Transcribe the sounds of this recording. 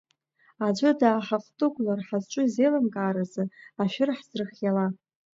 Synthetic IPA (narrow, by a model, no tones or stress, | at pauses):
ad͡ʒʷʊdaːħaχtʼɨɡʷʼlarħazt͡ʃʷʼʊizejlamkʼaːɾazɨaʃᶣɪrħz̥rɨχjala